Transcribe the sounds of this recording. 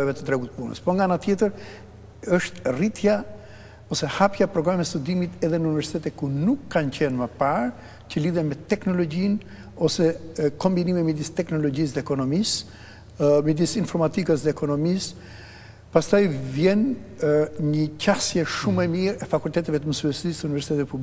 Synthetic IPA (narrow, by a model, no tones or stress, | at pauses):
ɛvɛt̪ə̥t̪ɾɛɡut̪əpunə̰spɔɾŋɡanat̪jɛt̪əɾ | əʃt̪rit̪ja | ɔsɛhapjapɾɔɡɾamɛst̪ud̪imit̪ɛðɛnəunivɛɾsi̥t̪ɛt̪ɛkunukːancɛnməpaɾ | cəliðɛmɛt̪ɛknɔlɔɟin | ɔsɛkɔmbinimimɛd̪ist̪ɛknɔlɔɟis̬ðɛːkɔnɔmis | mɛd̪isinfɔɾmat̪ikəsðɛːkɔnɔmis | past̪ajvjɛn | ɲəcasjɛʃumɛmiɾɛfakult̪ɛt̪ɛvɛt̪əməsyɛsist̪əunivɛɾsi̥t̪ɛt̪ɛt̪̚publi